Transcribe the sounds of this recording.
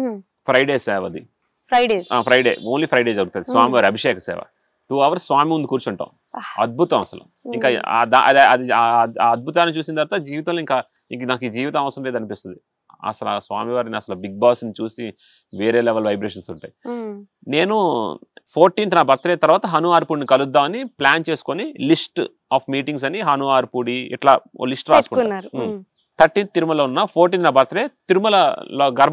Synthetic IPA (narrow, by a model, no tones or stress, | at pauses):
pʰɾɐjɖeːsɛːʋɐd̪i | ɾaɖeaːpʰɾɐjɖeːoːnliːpʰɾɐjɖeːd͡ʒɐɾuɡut̪und̪isʋaːmiʋaːɾiɐbʱiʂɛːkɐsɛ̰ːʋɐ̰ | ʈuːɐʋɐɾsːʋaːmimũnd̪ikuːɾt͡ʃuɳʈa̰ːm | ɐd̪̚bʱut̪ɐmɐ̰sɐlɐ̰ | iŋka̰ːd̪aʔɐ̰d̪ɐd̪iːɐd̪̚bʱut̪aːnːit͡ʃuːs̬ind̪ɐɾt̪ad͡ʒiːʋit̪ɐlːiŋkaː | iŋnaːkiːd͡ʒiːʋit̪ɐmɐʋɐsɾɐmleːd̪ɐnipist̪und̪i | ɐ̰sɐlasʋaːmiʋaːɾiniɐsɐlɐbiɡ̚baːsnit͡ʃuːsi | ʋeːɾeːlɛʋɐlʋɐjbɾeːʃɐnsuɳʈaːji | ne̞ːnupʰoːɾʈiːnt̪naːbɐɾt̪ɾeːt̪ɐɾʋaːt̪ɐɦɐnuaːɾpuːɽinikɐlud̪ːaːmɐniplaːnt͡ʃe̞ːsu̥konilisʈ | aːpʰmiːʈiŋɡs̬ɐniɦɐnuaːɾpuɽiɛ̰ʈlaːo̰lisʈɾaːsukuɳːɾ | t̪ʰɐɾʈːiːnt̪̚t̪iɾumɐloːunːaːpʰoːɾʈ̬ːiːnt̪naːbʱɐɾt̪ɾeːt̪iɾumɐlɐloːɡɐɾ